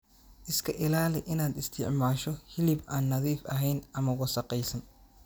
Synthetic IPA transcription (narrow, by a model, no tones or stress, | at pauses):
ʔɪskʰɐʔɪlaːlɪʔɪnaːd̪ɪst̪ʰɪʕmaːʃɔhɪlɪbʔaːnːɐðiːfɐɦɛjnʔɐmɐwɐsɐqɛjsɐn